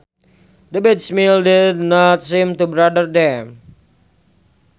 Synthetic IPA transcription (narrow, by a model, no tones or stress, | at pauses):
dəbɛdsmildɪdnɔt̪̚simt̪ubɾadərdɛm